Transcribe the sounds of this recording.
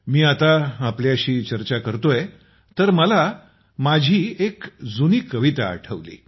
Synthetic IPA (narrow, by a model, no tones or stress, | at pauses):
miːat̪aːpljaɕiːt͡ɕəɾt͡ɕakəɾt̪oje | t̪əɾməla | mad͡ʑʱiːekd͡zuniːkəʋit̪a̰ːʈʰəʋlḭː